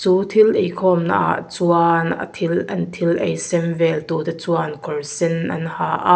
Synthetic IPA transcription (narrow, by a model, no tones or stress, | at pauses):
t͡suːt̪ʰilʔejkʰɔːmna̰ʔa̰ʔt͡suanɐ̰t̪ʰilʔɐnt̪ʰilʔejsɛmvɛlt̪ut̪ɐt͡suankʰɔrsɛnʔɐ̰nhaːʔa